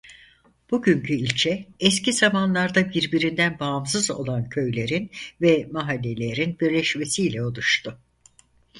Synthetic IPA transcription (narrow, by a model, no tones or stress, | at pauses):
b̥uɟyɲcʰyilʲt͡ʃʰɛɛscizamanlˠaɾd̪abiɾbiɾind̪ænbaːms̬ɯzo̞̰lˠancʰø̞jlʲe̞ɾinvɛmaɦalʲːe̞lʲe̞ɾinbiɾlʲɛʃme̞siːlʲɛolˠuʃt̪ʰʊ